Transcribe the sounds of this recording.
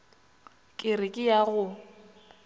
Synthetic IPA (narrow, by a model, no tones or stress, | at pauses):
kʼɪrɪkʼɪjaɣʊ